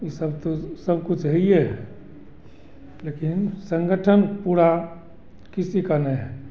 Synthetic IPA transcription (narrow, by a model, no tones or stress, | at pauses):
jisəbt̪osəbʱkʊt͡ʃʰɦɛiɛ | lekɪnsə̃ŋɡəʈʰənpuːɽa | kisikanɛɛ